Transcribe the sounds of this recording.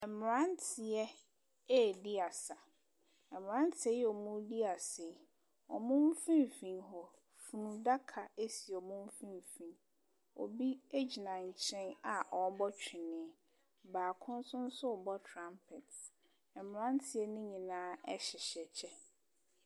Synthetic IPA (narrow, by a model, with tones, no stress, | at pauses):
ɛ˨m˨ɾã˦n˦tʰɪ˨ɛ˦ | ɛ˦˨di˦a˨sa˨ | ɛ˨m˨ã˦n˦tʰɪ˨ɛ˦jɛ˦ɔ˨mũ˦di˦a˨se˨˦˨ | ɔ˨mʊ̃˦m˦fĩ˦m˨fĩ˨nɦɔ˨ | fu˨nũ˨da˦kʰa˨e˦si˨ɔ˨mũ˦fĩ˦m˨fĩ˨n | ɔ̰˨bi˦e˦d͡ʑi˨nã˨ɲ̩˨t͡ɕʰɛ̃˦na˨ʔɔ˨˦bɔ˦t͡ɕᶣɪ˨nɪ̃˨ɛ˨ | baː˨kʰʊ̃˦n˦sʊ̃˦n̩˦sʊ˦ɔ˨bɔ˦tʰɾã˦mpʰɪ˨t | ɛ˨m˨ɾã˦ntʰɪ˨ɛ˦nʊ̃˦ɲĩ˨nãː˦ɛ˦ɕɪ˨ɕɛ˨t͡ɕʰɛ˦